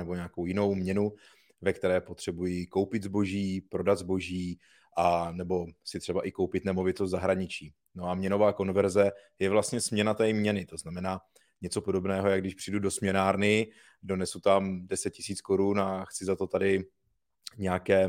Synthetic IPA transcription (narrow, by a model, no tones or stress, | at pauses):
nɛbo̞ɲɛaːkowjɪno̞wmɲɛnu | vɛk̚t̪ɛɾɛːpo̞t̪r̥ɛbujɪko̞wpɪt̪zbo̞ʒiːpɾo̞dad̪zbo̞ʒiː | ʔanɛbo̞sɪt̪r̥ɛbaʔɪko̞wpɪt̪nɛmo̞vɪt̪ost̪zaɦɾaɲɪt͡ʃiː | no̞amɲɛno̞vaːko̞nvɛɾzɛ | jɛvlast̪ɲɛsmɲɛnat̪ɛːmɲɛnɪt̪o̞znamɛnaː | ɲɛt͡so̞po̞do̞bnɛːɦo̞jaɡdɪʃpr̥ɪdudo̞smɲɛnaːɾnɪ | do̞nɛsut̪amdɛsɛt̪̚cɪsiːt͡sko̞ɾunaxt͡sɪzat̪o̞t̪adɪ | ɲɛakɛː